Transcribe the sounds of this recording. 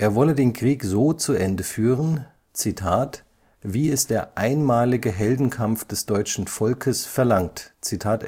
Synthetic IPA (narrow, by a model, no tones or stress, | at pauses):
ʔeːɐvɔlədeːnkʁ̥iːkzoːt͡suʔɛndəfyːʁən | t͡sitʰaːt | v̥iːɛsd̥eːɐʔaɪnmaːlɪɡəɦɛldn̩kʰamfd̥ɛsd̥ɔʏt͡ʃn̩fɔlkʰəsfɛɐlaŋtt͡sitʰaːt